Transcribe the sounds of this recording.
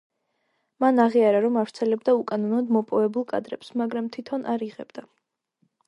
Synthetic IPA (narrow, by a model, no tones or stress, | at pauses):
manaʁiaɾaɾɔmavɾt̪sʰɛlɛb̚d̪aukʼanɔnɔd̪mɔpʼɔvɛbulˠkʼa̰d̪ɾɛpsmaɡɾamt̪ʰit̪ʰɔnʔaɾiʁɛb̥d̪a